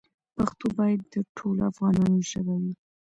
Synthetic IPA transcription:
paxt̪obɑjad̪ːəʈʰolafɣɑnɑnoʒəbawi

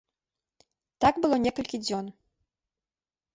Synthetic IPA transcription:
t̪aɡbɨlˠɔnʲɛkɐlʲkʲid͡zʲɔn

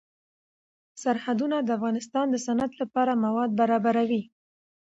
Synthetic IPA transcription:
saɾhad̪unad̪əafɣɑnɪst̪ɑnd̪əsanad̪lapɑɾamawɑd̪̚baɾɑbaɾawi

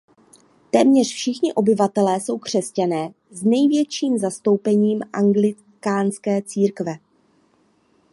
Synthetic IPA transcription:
t̪ɛːmɲɛrfʃɪxɲɪʔo̞bɪvat̪ɛlɛːso̞wkr̝̥ɛscanɛː | znɛjvjɛt͡ʃiːmzast̪o̞wpɛɲiːmʔaŋɡlɪ | kaːnskɛːt͡siːɾkvɛ

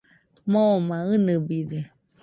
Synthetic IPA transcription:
mõmãɯnɨbide

